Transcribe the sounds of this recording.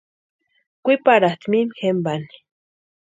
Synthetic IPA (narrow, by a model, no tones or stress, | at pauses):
kʷipaɾaht̪mimxembani̥